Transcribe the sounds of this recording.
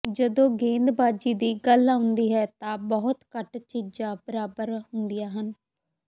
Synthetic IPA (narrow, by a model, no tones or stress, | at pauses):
d͡ʒəd̪õːɡẽːnd̪baːd͡ʒiːd̪iːɡəlaːʊnd̪iːɦɛːt̪ãːbɔɦʊt̪kəʈt͡ʃid͡ʒaːbəɾaːbəɾɦʊnd̪ɪjaːɦən